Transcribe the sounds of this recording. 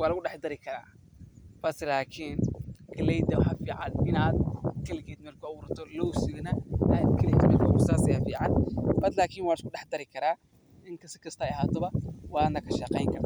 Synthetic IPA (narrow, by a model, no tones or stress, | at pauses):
wɑːlɐɣʊɖɛħd̪ɐɾɪkʰɐɾa̰ː | fɐsɪlaːkʰiːnkʰɐlɛjd̪ɐwɑħɑfiːʕɑ̰nɪnaːd̪kʰɐlɪkɛːd̪mɐrkʰʊɐwʊɾɐt̪ʰɔlɔwsɪɣɐnɐaːd̪kʰɐlɪkʰɐɾɪlɔːmʊsaːsɐjaːfiːʕɑnbɐd̪laːkʰiːnwɑːlɪskʊɖɛħd̪ɐɾɪkʰɐɾaː | ɪŋkʰɐsɪkʰɐst̪ʰɐɐɦaːt̪ʰɔβɐwɑːnɐkʰɐʃɐqɛjŋkʰɐrt̪ʰɔ